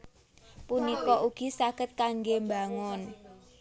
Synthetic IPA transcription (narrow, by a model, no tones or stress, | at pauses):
punikɔʔuɡ̥i̤saɡ̥ət̪̚kaŋɡembaŋʊn